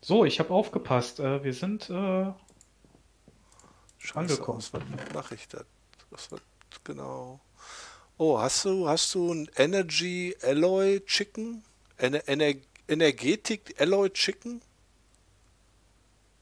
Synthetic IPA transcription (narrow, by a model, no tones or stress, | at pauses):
z̥oːɪçhaːbaʊfɡ̥əpʰastʔɛːviːɐzɪntʰʔɛː | ʃaanɡəkʰɔmsv̥a̰tma̰χɪçd̥a̰t̚ | vasv̥a̰t | ɡ̥əna̰ʊ | ʔoːhasd̥uːhastd̥uːnʔɛnɐɐɡiːʔɛlɔʏɪt͡ʃɪkŋ̩ | ʔɛnɛʔɛnɛɐʔɛnɛɐɡeːtʰɪkʔɛlɔʏtt͡ʃɪkŋ̩